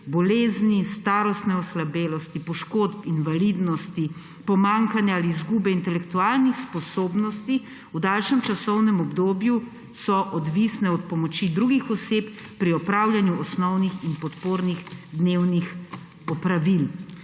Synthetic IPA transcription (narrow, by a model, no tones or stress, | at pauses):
bɔleːznist̪aːɾɔst̪nɛɔslabeːlɔst̪ipɔʃkoːt̪pinvalid̪nɔst̪i | pɔmaŋkanjaaliːzɡuːbɛint̪ɛlɛkt̪uaːlnixspɔsoːbnɔst̪i | ud̪alʃɛmt͡ʃasɔwnɛmɔbd̪oːbju | sɔʔɔd̪ʋisnɛɔt̪pɔmɔt͡ʃid̪ɾuɡixɔsep | pɾiɔpɾaːwlʲjanjuɔsnɔwnixinpɔt̪poːɾniɣd̪newnix | ɔpɾaʋil